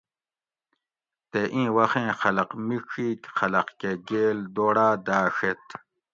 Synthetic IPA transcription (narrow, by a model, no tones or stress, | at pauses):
t̪eʔĩːwɐxẽːxɐlɐqmiʂiːkxɐlɐqkeɡeːld̪oːɽaːd̪aːʂet̪